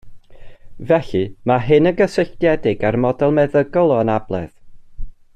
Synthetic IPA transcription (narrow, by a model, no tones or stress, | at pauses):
vɛɬɨmaɦɨnəɡəsəɬdjɛdɪɡarmɔdɛlˠmɛðəɡɔlˠɔənablˠɛ̰ð